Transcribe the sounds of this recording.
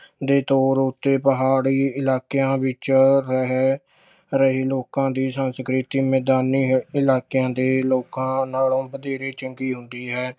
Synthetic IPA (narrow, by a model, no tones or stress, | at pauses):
d̪eːt̪oːɾʊt̪ːeːpəɦaːɽiːɪlaːkjãːʋɪt͡ʃɾəɦɛ | ɾəɦiːloːkãːd̪iːsənskɾɪt̪iːmɛːd̪aːniːɪlaːkjãːd̪eːloːkãːnaːlõːbəd̪eːɾeːt͡ʃəŋɡiːɦʊnd̪iːɦɛː